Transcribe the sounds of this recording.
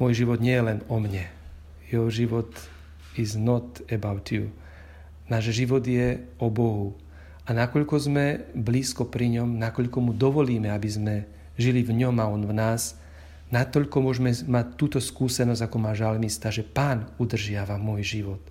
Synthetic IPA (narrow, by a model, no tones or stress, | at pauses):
mɔjʒiʋɔd̪ɲɪɛjɛlɛnɔmɲɛ | jɛɔʒiʋɔt̪ | iznɔt̪ɛbaʊt̪iu | naːʒʒiʋɔd̪jɛ | ɔbɔɦu | anakɔʎkɔzmɛbliːskɔpɾiɲɔmnakɔʎkɔmud̪ɔʋɔliːmɛabizmɛ | ʒilivɲɔmaɔnvnaːz | nat̪ɔʎkɔmʊɔʒmɛmac̚t̪ːuːt̪ɔskuːsɛnɔzakɔmaːʒalmist̪aʒɛpaːnud̪r̩ʒɪaʋamɔjʒiʋɔt̪